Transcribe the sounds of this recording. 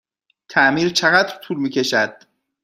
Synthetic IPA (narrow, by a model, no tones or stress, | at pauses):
t̪ʰæʔmiːɾt͡ʃʰeɣæd̪ɾt̪ʰuːlmiːcʰʲe̞ʃæd̪̥̚